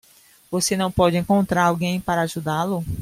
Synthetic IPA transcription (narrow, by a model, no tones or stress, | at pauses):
vosenɐ̃w̃pɔd͡ʒɪẽŋkõnt̪ɾaɾawɡẽj̃paɾɐaʒud̪alʊ